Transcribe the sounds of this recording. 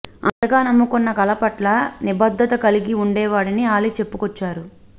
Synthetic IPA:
ɐnt̪ɐɡaːnɐmːukɔnːɐkɐlɐpɐʈlɐnibɐd̪ʱːɐt̪ɐkɐliɡiuɳɖɛːʋaːɽiniaːlit͡ʃe̞pːukɔt͡ʃːaːɾu

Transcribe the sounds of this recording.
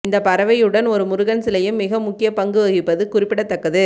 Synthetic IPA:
ɪnd̪ɐpɐɾɐʋɐjɯɽɐnɔɾɯmʊɾɯɣɐnsɪlɐjɯmːɪɣɐmʊkːɪjɐpɐŋɡɯɐːɣɪpːɐðɯkʊrɪpːɪɽɐt̪ːɐkːɐðɯ

